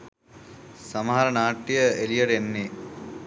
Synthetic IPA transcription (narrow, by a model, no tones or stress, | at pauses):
sɐmɐɦɐɾɐnaːʈːijəelijɐʈenːe